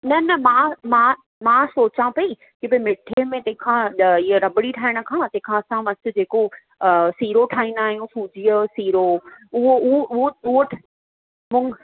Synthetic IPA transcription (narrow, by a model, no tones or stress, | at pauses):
nɐnɐmãmã | mãsoːt͡ɕãpɐi | kibɐimɪʈʰemẽt̪ɐ̃ɦɪ̃kʰãːɪəɾɐbɪɽiʈʰaːɪɽ̃ə̆kʰãːt̪ɐ̃ɦɪ̃kʰãːsãʋɐsɪ̆d͡ʑeːko | siːɾoʈʰaːɦĩnd̪aːɦijũsuːd͡ʑijəsiːɾoʊɦoʊɦoʔʊɦoʊɦʈʰ | mʊ̃ŋɡ